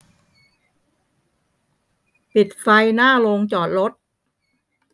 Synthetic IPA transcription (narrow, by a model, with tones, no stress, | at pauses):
pi˨˩t̪̚fa˧jnaː˥˩lo˧ŋt͡ɕɔː˨˩t̪̚ɾo˦˥t̪̚